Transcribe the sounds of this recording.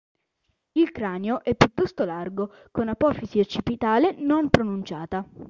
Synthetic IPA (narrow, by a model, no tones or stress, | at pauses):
ilkɾaːneoʔɛpːjut̪ːɔst̪olarɡo | konapɔfisiot͡ʃːipit̪aːlenompɾonunt͡ʃaːt̪a